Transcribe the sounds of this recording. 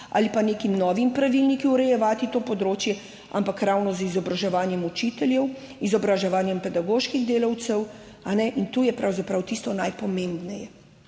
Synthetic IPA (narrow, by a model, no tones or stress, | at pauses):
a̰lipaneːkimnɔːʋimpɾaʋilnikiuɾɛjɛʋaːt̪it̪oːpɔd̪ɾoːt͡ʃjɛ | a̰mpakɾawnɔzizɔbɾaʒɛʋaːnjɛmut͡ʃit̪ɛljɛw | izɔbɾaʒɛʋaːnjɛmpɛd̪aɡoːʃkiɣd̪eːlɐwt̪sɛw | anɛʔint̪uːjɛpɾawzapɾawt̪ist̪ɔnajpɔmembnɛjɛ